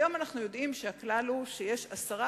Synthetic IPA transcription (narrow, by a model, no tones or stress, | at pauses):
jo̞manaχnujo̞dʔimʃeaklaluʃeje̞ʃasaʁa